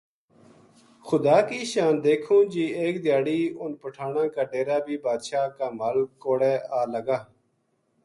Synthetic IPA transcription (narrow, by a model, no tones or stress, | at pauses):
xʰʊd̪aːkiːʃaːnd̪eːkʰõːd͡ʒiːeːk̚d̪ɪjaːɽiːʊnpəʈʰaːnãːkaːɖeːɾaːbʱiːbaːd̪ʃaːkaːmaːlkoːɽeːaːləɡaː